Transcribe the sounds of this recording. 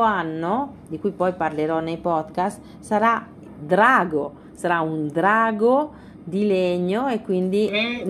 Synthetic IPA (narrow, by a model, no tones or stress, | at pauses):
anːo | d̪ikuipɔjpaɾleɾɔnejpɔd̪kast̪ | saɾa | d̪ɾaːɡo | saɾaund̪ɾaːɡo | d̪ileɲːoekːwind̪i